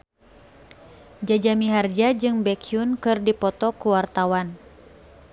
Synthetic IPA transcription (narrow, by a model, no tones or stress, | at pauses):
d͡ʒad͡ʒamiɦard͡ʒad͡ʒɨŋbɛkʰiunkɨrdipɔt̪ɔkuwart̪awan